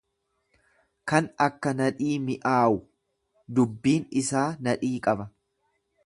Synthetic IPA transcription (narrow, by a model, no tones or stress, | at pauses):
kɐnɐkːɐnɐᶑiːmɪʔaːʔʊ | d̪ʊbːiːnɪsaːnɐᶑiːkʼɐbɐ